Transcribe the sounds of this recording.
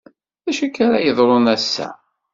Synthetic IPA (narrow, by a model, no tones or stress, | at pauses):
ðæʃækːaɾa̰jəðˤɾˤonæsːæ̰